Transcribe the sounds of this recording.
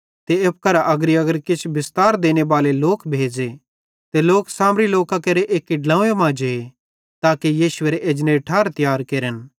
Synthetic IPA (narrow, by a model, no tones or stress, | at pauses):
t̪eep̚kɐɾaʔɐɡɾiɐɡəɾkɪt͡ʃʰbɪst̪aːɾd̪eːñebaːleloːkbʱeːd͡ʒe | t̪eloːksaːmɾiloːkakɐɾeʔeːkːiɖlãːemãːd͡ʒee | t̪aːkejiːʃʊeːɾeʔeːd͡ʒneʈʰaːɾt̪jaːɾkeːɾən